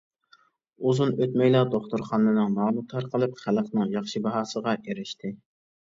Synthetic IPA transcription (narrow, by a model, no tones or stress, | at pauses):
uzunøt̪mɛjlˠɑd̪oχt̪ʊɾχɑnɨnɨŋmɑːnˠɨt̪ʰɑɾqʰəlˠɨpχæləqnɨŋjɑχʃɨbɑɦɑːsəʁɑʔeɾɪʃt̪ʰɪ